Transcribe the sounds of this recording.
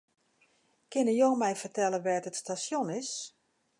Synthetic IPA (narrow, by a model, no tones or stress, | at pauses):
kɪnəjoːmɛjfərtɛləʋɛːtətstasjonɪs